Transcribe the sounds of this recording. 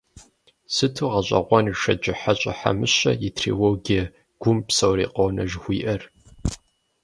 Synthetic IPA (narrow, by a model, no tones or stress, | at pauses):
sɨtʰuːʁɐɕʼɐ̰ʁʷɔnʃɐd͡ʒɪħaɕʼɐ̰ħa̰mɨɕɐjitʰrḭwoːɡiɛ | ɡ̥ʷʊmpsɐwriːqownɐʒxʷiːʔɐr